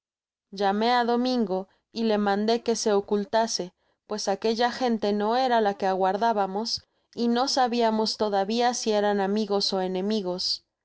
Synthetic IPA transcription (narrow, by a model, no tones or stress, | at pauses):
ʝame̞aðo̞mĩŋɡo̞ | ile̞mãnd̪e̞ke̞se̞okult̪ase̞ | pwe̞sake̞ʝaxe̞nt̪e̞no̞e̞ɾalake̞aɣwaɾðaβamo̞s | ino̞saβiamo̞st̪o̞ðaβiasie̞ɾanamiɣo̞so̞e̞nẽ̞miɣo̞s